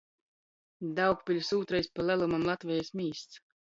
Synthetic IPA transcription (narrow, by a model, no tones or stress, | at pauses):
d̪awkpʲilʲsuːt̪ɾajspalˠælˠumamlˠat̪vʲɛjasmʲiːst̪s